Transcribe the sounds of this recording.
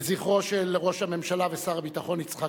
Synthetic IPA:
ziχʁo̞ʃeleʁo̞ʃhame̞mʃalavesaʁabit̪aχo̞nit͡sχa

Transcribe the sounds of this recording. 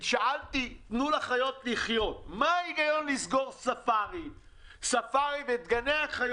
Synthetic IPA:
ʃaʔalt̪itnulaχajo̞t̪liχjo̞t̪maiɡajo̞nlizɡo̞ʁsafaʁi | safaʁivet̪ɡaneaχaj

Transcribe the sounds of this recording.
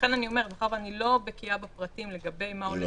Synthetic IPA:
enanio̞me̞ʁetaχavanilo̞bekiabapʁatimle̞ɡabe̞jmaole

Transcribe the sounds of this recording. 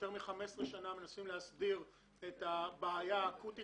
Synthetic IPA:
teʁmiχame̞sʁeʃaname̞nasimleɦasdiʁ | etabaːjakut̪i

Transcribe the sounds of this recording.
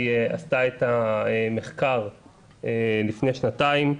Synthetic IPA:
east̪aetaeme̞χkaʁ | elifnejʃnataim

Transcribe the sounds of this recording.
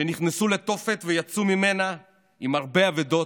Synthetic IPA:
eniχnesule̞t̪o̞fe̞t̪vejat͡sumime̞na | imaʁbeaved̪o̞

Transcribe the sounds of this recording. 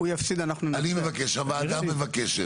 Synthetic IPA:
ujafsid̪anaχnunanimevakeʃamaːd̪amːevakeʃe

